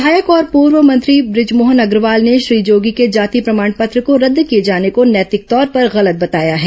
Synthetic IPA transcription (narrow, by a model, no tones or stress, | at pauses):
aːjəkɔːɾpuːɾʋəmɐ̃nt̪ɾibɾɪd͡ʒmoːɦənɐɡɾʋaːlneʃɾiːd͡ʒoːɡiked͡ʒaːt̪ipɾɐmaːɳ̃pɐt̪ɾəkoɾɐd̪ːkijed͡ʒaːnekonjɛːt̪ɪk̚t̪ɔːɾpɐɾɣɐlət̪̚bɐt̪aːjaɦɛː